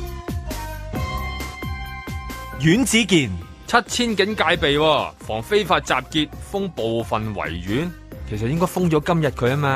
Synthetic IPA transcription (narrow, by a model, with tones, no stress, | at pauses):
jyː˨˥nt͡siː˨˥kiː˨n | t͡sʰɐ˥t̚t͡sʰiː˥nkɪ˨˥ŋkaː˧jpe˨jwɔː˧fɔː˨˩ŋfe˥jfaː˧t̚t͡saː˨p̚kiː˧t̚fʊ˥ŋpo˨wfɐ˨nwɐ̰˨˩jɥyː˨˥n | kʰe˨˩jsɐ˨t̚jɪ˥ŋkɔː˥jfʊ˥ŋt͡ʃɔː˨˥kɐ˥mjɐ˨t̚kʰɵ˨˧ɥaː˥maː˧